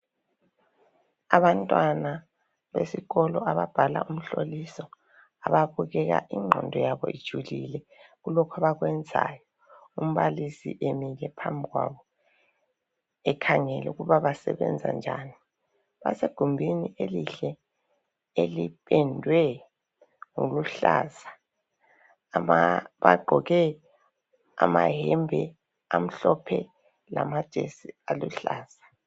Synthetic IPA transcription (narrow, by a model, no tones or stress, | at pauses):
aβantʼwana | βesiɣɔlɔaβab̥ʱala̰um̩ɬolisɔ | aβaβuɣɛɣa̰ʔiŋ͡ǃʱɔ̰ndʱɔjaβɔ̰ḭd̥ʒ̥ʱulilɛ | ɣulɔkʰaβaɣwɛnd͡zʱa̰jɔ | um̩βalisḭʔemiɣɛpʰa̰mbʱiɣwa̰βɔ | ɛkʰaŋɛlɛuɣuβaβasɛ̰βɛ̰nd͡zʱa̰nd͡ʒʱa̰ni | βa̰seɡ̥ʱumbʱiniʔeliɬɛ | elipʰʼɛndʱwɛ | ŋuluɬaːza | βaɡ͡ǃʱɔɣɛ | amaɦɛmbʱɛ | am̩ɬɔpʰɛ | lamad̥ʒ̥ʱesialuɬaːz̥ḁ